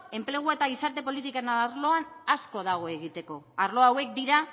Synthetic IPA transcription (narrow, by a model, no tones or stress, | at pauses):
e̞mple̞ɣ̞ue̞t̪aɣ̞isaɾt̪e̞po̞lit̪ikaenaɾlo̞anasko̞ð̞aɣ̞o̞e̞ɣ̞it̪e̞ko̞aɾlo̞awe̞k̚d̪iɾa